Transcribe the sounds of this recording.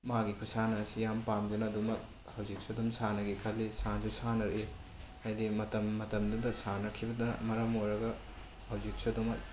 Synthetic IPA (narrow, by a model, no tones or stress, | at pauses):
maɡikʰusanɐsijampamdunɐːdumɐk̚ | hɐwzik̚sɐdumsanɐɡikʰɐlːisand͡ʒusanɐɾe | ɐjdimɐtɐmːɐtɐmdudɐsanɐkʰibɐdɐmɐɾɐmojɾɐɡɐ | hɐwzik̚sɐdumɐk̚